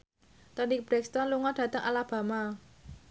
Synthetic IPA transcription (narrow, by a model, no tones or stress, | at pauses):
t̪anib̥ɾɛkst̪ɔnluŋɔɖ̥ä̤t̪əŋʔa̰lab̥a̤ma